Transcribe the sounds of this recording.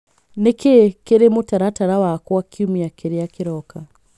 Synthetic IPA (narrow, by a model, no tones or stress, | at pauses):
nekekeɾemotaɾataɾawakwakʰiumiakeɾeakeɾɔka